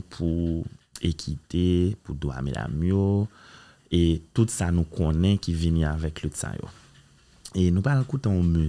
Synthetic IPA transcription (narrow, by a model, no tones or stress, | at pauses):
pʰu | ekʰit̪epud̪oa̰mḛla̰mjo | etutsanũkʰɔ̃nɛ̃kivinĩavɛklytsa̰jo̰ | enũpalkutẽɔ̃my